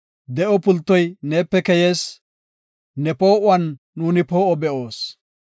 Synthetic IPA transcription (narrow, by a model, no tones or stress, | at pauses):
d̪ɛʔɔpʊlt̪ːɔjneːpːɛkɛje̞ːs | nɛpo̞ːʔʊɐnː | uːnɪpo̞ːʔɔbɛʔo̞ːs